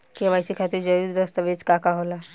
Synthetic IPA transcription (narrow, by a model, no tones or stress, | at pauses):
keʋajsikʰat̪iɾd͡ʒɐɾuɾd̪ɐst̪əʋet͡ʃkakaɦola